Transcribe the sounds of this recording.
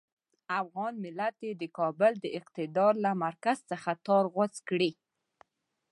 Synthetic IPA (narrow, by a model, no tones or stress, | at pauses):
afɣɑnmɪlat̪jed̪əkɑbʊld̪əɪqt̪ɪd̪ɑɾlamaɾkaz̥t͡səxat̪ɑɾɣwat͡skɽi